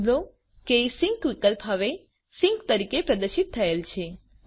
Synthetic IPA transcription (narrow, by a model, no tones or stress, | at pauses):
lo | keisɪŋkʋikəlpɦəʋe | sɪ̃ŋkt̪əɾikepɾəd̪əɾʃit̪ʰːəelt͡ʃʰe